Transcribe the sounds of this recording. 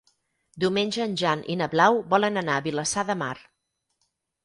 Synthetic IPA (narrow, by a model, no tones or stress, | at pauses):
d̪iwmenʲʒəːnʲʒanʔḭnəβlawbɔlənənaəβiləsaðəmar